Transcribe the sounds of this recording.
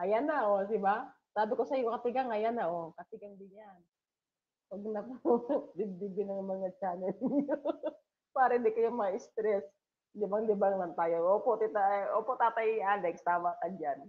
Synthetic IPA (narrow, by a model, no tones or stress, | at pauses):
ajanaos̬iba | t̪adikosaiokat̪iɡaŋajanaɔkat̪iɡaŋbiɲan | oɡənak̚odibibinaŋmaŋat͡ʃanaiu | paɾɛdikajamaist̪ɾɛs | dɛbaŋdibaŋmant̪ajaɔpɔt̪it̪aɔpɔt̪at̪aiandakst̪amakad͡ʒan